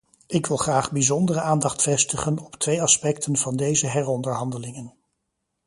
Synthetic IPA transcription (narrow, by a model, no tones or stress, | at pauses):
ɪkʋɪlˠχraːχbizɔndərəaːndɑχtfɛstəχənɔptʋejɑspɛktənv̥ɑndejzəɦɛɹɔndəɹɦɑndəlɪŋən